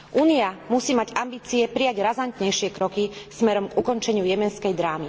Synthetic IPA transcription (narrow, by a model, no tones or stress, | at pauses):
ʔuːniamusiːmaɟambiːt͡siɛpɾijaɟɾazant̪ɲɛjʃɪɛkɾɔkismɛɾɔmɡukɔnt͡ʃɛɲɪujɛmɛnskɛjd̪ɾaːmi